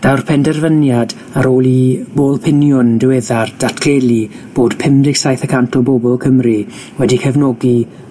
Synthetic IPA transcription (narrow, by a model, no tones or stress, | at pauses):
d̥awrpʰɛndɛrvənjad | aɾoːlˠiboːlˠpʰɪnjʊndɪwɛðard̥atʰkʰelˠi | b̥oːd̥pʰɪmdɪɡ̥sajθəkʰantʰɔbobɔlˠkʰəmri | wɛdikʰɛvnɔːɡi